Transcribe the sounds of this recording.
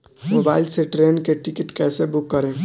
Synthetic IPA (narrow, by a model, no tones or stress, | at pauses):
moːbaːɪlseʈɾeːnkeʈɪkɪʈkɛːsebʊkːəɾẽː